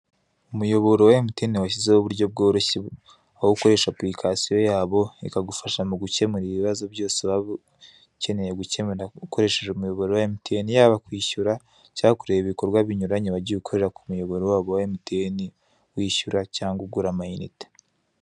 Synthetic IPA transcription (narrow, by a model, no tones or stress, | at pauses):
umujo̞βo̞ɾowaemuteniwaçizewoβuɾɟo̞b̚ɡo̞ːɾoçe | awouko̞ɾe̞ʃaplɾikʰasijo̞jaːβo̞ikaɡufaʃamuɡuce̞muɾiiβiβazo̞bɟo̞ːseβaβ | ce̞ne̞je̞ɡueuko̞ɾe̞ʃeʒeumujo̞βoɾowaemutʰenijaːβakwiːʃuɾa | cakuɾejeβiβiko̞ɾɡwaβiɲuɾaɲeβaɾɟiukʰo̞ɾe̞ɾakumujo̞βo̞ɾowaːβowaemutʰeni | wiːʃuɾacaːŋɡuɡuɾamajinḭte̥